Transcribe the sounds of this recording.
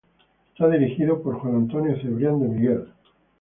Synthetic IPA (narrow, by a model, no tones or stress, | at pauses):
et̪aðiɾixiðopo̞ɾxwanãnt̪o̞njoθeβɾjand̪omiɣel